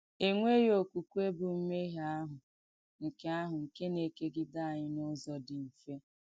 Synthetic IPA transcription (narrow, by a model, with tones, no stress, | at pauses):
e˦ŋʷe˦jo˨ku˨ku˦e˦bʊ˨m̩˦me˦ɦa˦ɦʊ˨ | ŋ̩˨ke˦a˦ɦʊ˨ŋ̩˨ke˦ne˨ke˦ɡɪ˦da˦a˨ɲɪ˦nʊ˦zɔ˨dɪ˨m̩˨fe˦